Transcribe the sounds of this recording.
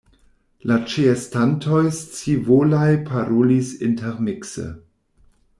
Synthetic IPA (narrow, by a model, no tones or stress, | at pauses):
lat͡ʃiestantʰo̞jst͡sivolajpʰaɾolisintʰɛɾmiksə̰